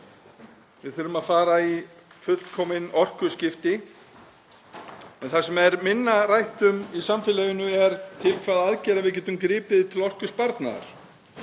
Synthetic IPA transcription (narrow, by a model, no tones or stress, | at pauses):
vɪðθʏɾʏmaðfaːɾai | fʏt̪l̥t̪kʰɔːmɪnɔr̥kʏscɪft̪ɪ | ɛnθasɛmɛɾmɪnːarajht̪ʏmisamfɪlɛːjʏnʏɛɾt̪ʰɪlkʰvaːðaðcɛːɾavɪðc̬ɛːt̪ʏmkɾɪːpɪðt̪ʰɪlɔr̥kʏspaɾt̪na̰a̰ɾ̥